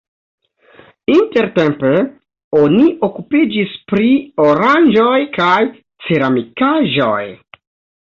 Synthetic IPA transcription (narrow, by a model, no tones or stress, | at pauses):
inte̞ɾte̞mpe | o̞niʔo̞kupid͡ʒispɾio̞ɾand͡ʒo̞jkaj | t͡seɾamikaʒo̞̰j